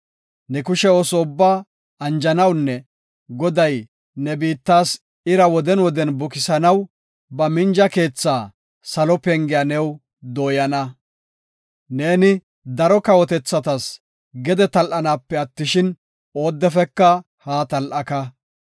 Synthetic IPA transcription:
nɛkʊʃɛoːsɔʊbːaː | ɐnd͡ʒɐnɐwnːɛ | ɡɔd̪ɐj | nɛbiːt̪ːaːs | ɪɾɐwɔd̪ɛnwɔd̪ɛnbʊkɪsɐnɐw | bɐmɪnd͡ʒɐke̞ːt͡sːaː | sɐlɔpɛŋɡɪjanɛw | d̪oːjɐnɐ | ne̞ːnɪ | d̪ɐɾɔkɐwɔt̪ɛt͡sːɐt̪ɐs | ɡɛd̪ɛt̪ɐlʔɐnaːpːɛɐt̪ːɪʃɪn | o̞ːd̪ːɛfɛkːɐ | haːt̪ɐlʔɐkɐ

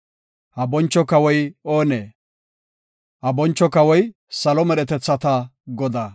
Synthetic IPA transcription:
hɐbɔnt͡ʃːɔkɐwɔjoːneː | hɐbɔnt͡ʃːɔkɐwɔj | sɐlɔmɛɾɛt̪ɛt͡sːɐt̪ɐɡɔd̪a

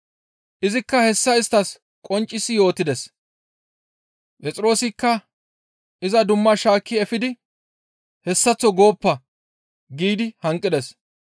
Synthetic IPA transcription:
ʔɪzɪkːɐhɛsːɐɪst̪ɐs | kʼɔnt͡ʃʼːɪsɪjo̞ːt̪ːɪd̪ɛs | pʼɛt͡sʼɪɾo̞ːsɪkːɐ | ʔɪzɐd̪ʊmːɐʃaːkːɪɛfɪd̪ɪ | hɛsːɐt͡sːɔɡo̞ːpːɐ | ɡiːd̪ɪhɐŋkʼːɪd̪ɛs

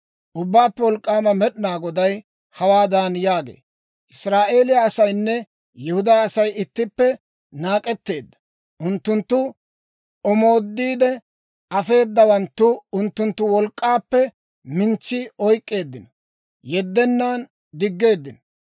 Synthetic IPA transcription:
ʔʊbːaːpːɛwɔlkʼːaːmɐmɛɗnaːɡɔd̪ɐj | hɐwaːd̪anjaːɡḛː | ʔɪsɾaːʔe̞ːlɪjaɐsɐjnːɛ | jɛhʊd̪aːsɐjɪt̪ːɪpːɛ | naːkʼɛt̪ːe̞ːd̪ːɐ̥ | ʔʊnt̪ːʊnt̪ːʊ | ɔmo̞ːd̪ːiːd̪ɛ | ɐfe̞ːd̪ːɐwɐnt̪ːʊʊnt̪ːʊnt̪ːʊwɔlkʼːaːpːɛ | mɪnt͡ʃːɪɔjkʼːe̞ːd̪ːɪnɔ | jɛd̪ːɛnːaːn | d̪ɪɡːe̞ːd̪ːɪnɔ

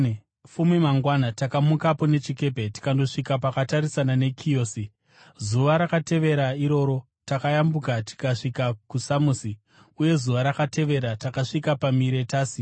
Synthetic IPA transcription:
fumimaŋɡwanatakamukapo̞ne̞t͡ʃike̞pe̞ti̥kando̞ʂikapakataɾisanane̞kʰioːsi | zuʋaɾakate̞ʋe̞ɾaiɾo̞ɾo̞ | takajambukati̥kaʂikakusamuːsi | uje̞zuʋaɾakate̞ʋe̞ɾatakaʂikapamiɾe̞taːsi

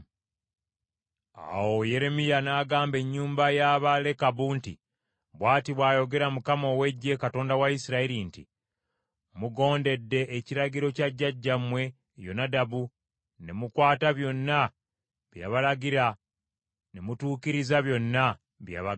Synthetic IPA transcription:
a̰wo̞je̞ɾe̞mijanaːɡaːmbe̞ɲːuːmbajaβale̞kaβuntḭ | βwaːtiβwaːjo̞ɡe̞ɾamukamo̞we̞ɟːe̞kato̞ːndawaisiɾaiɾintḭ | muɡo̞ːnde̞dːe̞ʔːciɾaɡiɾo̞caɟːaɟːamwe̞ | jo̞̰nadaβu | ne̞mukwaːtaβjo̞nːa | βja̰βalaɡiɾa | ne̞mutuːkiɾizaβjo̞nːa | βja̰βa

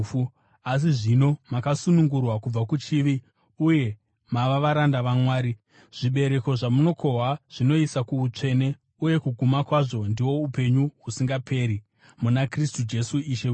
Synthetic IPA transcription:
as̬iʐino̞makasunuŋɡurwakub͡vakut͡ʃiʋi | uje̞ | maʋaʋaɾandaʋamwaːɾi | ʐ̥iɓe̞ɾe̞ko̞ʐamuno̞kʰo̞ɦwaʐ̥ino̞isakuut͡ʂe̞ne̞ | uje̞kuɡʱumakwaʐo̞ndiwo̞upe̞ɲuɦusiŋɡapʰe̞ːɾi | munakristud͡ʒe̞suiʃe

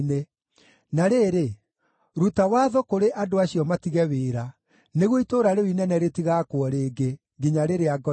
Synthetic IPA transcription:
ne | naɾeːɾe | ɾutawaːðɔkoɾeʔadoaɕiɔmatiɣɛweːɾa | neɣwoitoːɾaɾewinɛnɛɾetiɣakwɔɾeːɡe | ɡiɲaɾeɾeaɡɔ

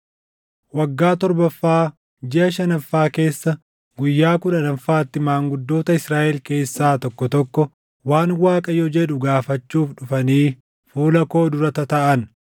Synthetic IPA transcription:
wɐɡːaːt̪ɔɾbɐfːaː | d͡ʒɪʔɐʃɐnɐfːaːke̞ːsːɐ | ɡʊjːaːkʊᶑɐnɐfaːt̪ːɪmaːŋɡʊd̪ːo̞ːt̪ɐɪsɾaːʔɛlke̞ːsːaːt̪ɔkːɔt̪ɔkːɔ | waːnwaːkʼɐjɔd͡ʒɛᶑʊɡaːfɐt͡ʃːuːfɗʊfɐniː | fuːlɐko̞ːd̪ʊɾɐt̪ɐt̪ɐʔɐn

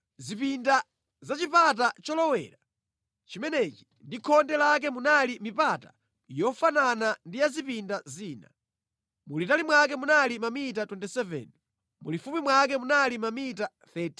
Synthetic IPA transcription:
zipinda | zat͡ʃipat̬at͡ʃɔlɔwɛ̰ːɾa | t͡ʃimɛnɛt͡ʃi̥ndikʰɔndɛlak̬ɛmunalimipata̰ | jɔfananandijazipindaziːna̰ | mulitalimwak̬ɛmunalimamitatwɛntisɛvɛ̰n | mṵlifumimwak̬ɛmunalimamita | θɛtʰi

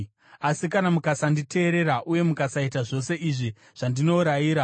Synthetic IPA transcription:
asikanamukasandite̞ːɾe̞ɾaʔuje̞mukasaitaʐo̞se̞iʐi | ʐ̥andino̞ɾajiːɾa

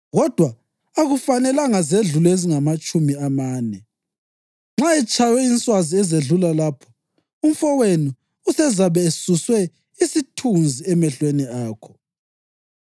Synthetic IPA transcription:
ɣɔd̥ʱwaː | ɣufanɛlaŋazeɮulɔeziŋamat͡ʃʼumiamaːnɛ | ŋ͡ǁaɛt͡ʃʼajɛint͡sʼwaziɛzeɮulalapʰɔ̥ | um̩fɔwenu | usɛzaβɛːsuswɛ | isitʰund͡zʱiɛmɛɬweniaːkʰɔ̥

